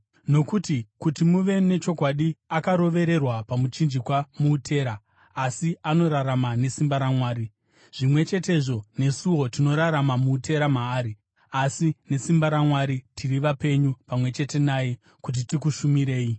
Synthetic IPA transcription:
no̞kutikutimuʋe̞ne̞t͡ʃo̞kwaɗiakaɾo̞ʋe̞ɾe̞rwapamut͡ʃind͡ʒikwamuːtʰe̞ːɾaː | siano̞ɾaɾamane̞simbaɾamwaːɾi | ʐ̥imwe̞t͡ʃe̞te̞ʐo̞ne̞suwo̞tino̞ɾaɾamamuːte̞ɾamaːɾi | asine̞simbaɾamwaɾitʰiriʋape̞ɲupamwe̞t͡ʃe̞te̞naːje̞ | kut̬itikuʃumiɾe̞ːi

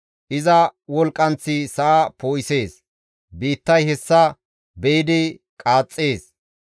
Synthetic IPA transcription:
ʔɪzɐwɔlkʼːɐnt͡sːɪsɐʔapoːjse̞ːs | biːt̪ːɐjhɛsːɐ | bɛjɪd̪ɪ | kʼaːt͡sʼːeːs

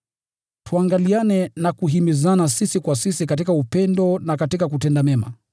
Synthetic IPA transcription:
tuaŋɡalianɛnakuɦimizanasisikwasisikat̬ikaupɛndɔnakatikakutɛndamɛma̰

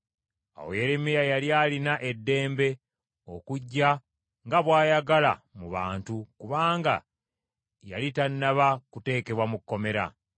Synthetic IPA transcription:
a̰wo̰je̞ɾemijajaljaːlinaʔe̞dːe̞ːmbe̞ | o̞kuɟːa | ŋɡaβwaːjaɡala̰muβa̰ːntukuβaːŋɡa̰ | ja̰litanːaβakute̞ːke̞βwamukːo̞me̞ɾa̰

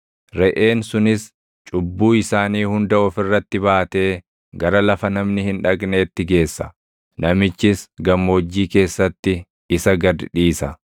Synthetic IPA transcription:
ɾɛʔe̞ːnsʊnɪs | t͡ʃʼʊbːuːɪsaːniːhʊnd̪ɐɔfɪrːɐt̪ːɪbaːt̪e̞ː | ɡɐɾɐlɐfɐnɐmnɪhɪnᶑɐɡne̞ːt̪ːɪɡe̞ːsːɐ | nɐmɪt͡ʃːɪsɡɐmːo̞ːd͡ʒːiːke̞ːsːɐt̪ːɪ | ɪsɐɡɐd̪ᶑiːsɐ

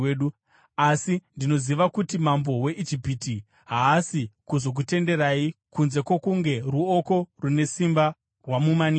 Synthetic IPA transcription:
eɗu | asindino̞ziʋakutimambo̞we̞ʔid͡ʒipiti | ɦaːsikuzo̞k̬ute̞nde̞raikunze̞kwokuŋɡe̞ruoko̞rune̞simba | rwamumani

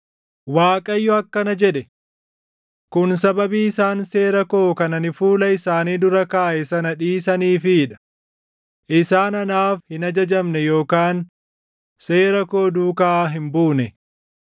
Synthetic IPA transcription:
waːkʼɐjːɔɐkːɐnɐd͡ʒɛᶑɛ | kʊns̬ɐbɐbiːɪsaːnse̞ːɾɐko̞ːkɐnɐnɪfuːlɐɪsaːniːd̪ʊɾɐkaːʔɛsɐnɐᶑiːsɐniːfɪᶑɐ̥ | ʔɪsaːnɐnaːfhɪnɐd͡ʒɐd͡ʒɐmnɛjo̞ːkaːn | se̞ːɾɐko̞ːd̪uːkaːɦɪmbuːnɛ

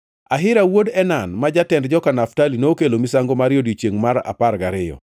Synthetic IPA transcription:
aɦɪɾawodɛnanmad͡ʒatɛndd͡ʒɔkanaftalinoːkelomisaŋɡomaɾjodit͡ʃjeŋmaɾa̰parɡaɾɪjɔ̰

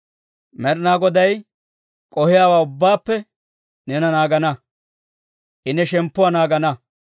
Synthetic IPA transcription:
mɛɾnaːɡɔd̪ɐj | kʼɔhɪjaːwaːʊbːaːpːɛ | nɛnɐnaːɡɐnɐ | ʔɪnɛʃɛmpːʊwanaːɡɐnɐ

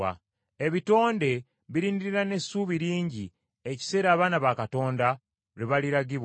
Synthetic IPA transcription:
a̰ | e̞βito̞ːnde̞ | βiɾiːndiɾiɾane̞sːuːβiɾiːɲɟi | e̞ci̥se̞ːɾaːβaːnaβakato̞ːnda | ɾiβaliɾaɟiβ

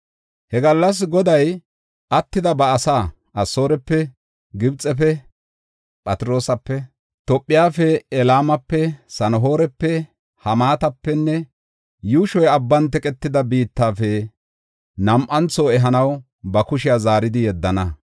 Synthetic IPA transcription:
hɛɡɐlːɐs̬ɡɔd̪ɐj | ʔɐt̪ːɪd̪ɐbɐːsaː | ʔɐsːo̞ːɾɛpːɛ | ɡɪbt͡sʼɛp̬ɛ | pʼɐt̪ɪɾo̞ːsɐpːɛ | t̪ɔpʼːɪjaːfɛɛlaːmɐpːɛsɐnɔɦo̞ːɾɛpːɛ | hɐmaːt̪ɐpːɛnːɛ | juːʃɔjɐbːɐnt̪ɛkʼɛt̪ːɪd̪ɐbiːt̪ːaːfɛ | nɐmʔɐnt͡soːɛɦɐnɐw | bɐkʊʃɪjaːzaːɾɪd̪ɪjɛd̪ːɐnɐ

